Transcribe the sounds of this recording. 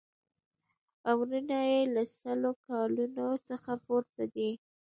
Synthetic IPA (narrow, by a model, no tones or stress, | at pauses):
awɾinɑjelasəlokɑlunosəxapoɾt̪ad̪i